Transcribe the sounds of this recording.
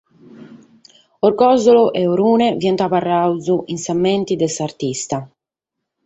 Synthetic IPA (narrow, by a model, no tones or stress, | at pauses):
ɔɾkɔzɔlɔʔɛɔɾuːnɛvjɛnt̪aparːawzuʔinsamːɛnt̪id̪ɛsaɾt̪ist̪a